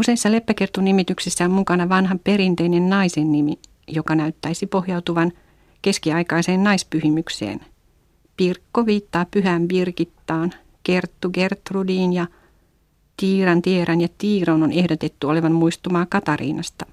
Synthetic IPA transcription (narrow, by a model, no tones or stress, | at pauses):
useisːɑle̞pːækert̪ːunːimit̪yksisːæommukɑnɑʋɑnɦɑpe̞ɾint̪einennɑisenːimi | jo̞kɑnæyt̪ːæisipo̞hjɑwt̪uʋɑn | ke̞skiɑjkɑiseːnnɑispyhimyksḛːn | pirkːoʋiːt̪ːɑːpːyɦæːmʋirkit̪ːɑːn | ke̞rt̪ːuɡe̞rt̪rudiːnjɑ | t̪iːɾɑnt̪ieɾɑnjɑt̪iːronone̞hdot̪et̪ːyo̞leʋɑmmuist̪umɑːkɑt̪ɑɾḭːnɑst̪ɑ